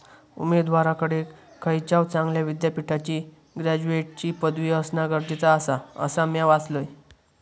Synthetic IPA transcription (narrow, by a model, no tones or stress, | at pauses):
ṵmeɾd̪ʋaɾakəɽe | kʰːəjt͡ɕawt͡sãŋɡljaʋid̪japiʈʰat͡ɕiː | ɡɾad͡ʑueʈ̚t͡ɕiːpəd̪ʋiəsnaɡəɾd͡ʑit͡saːsaə̰samjaʋat͡sləj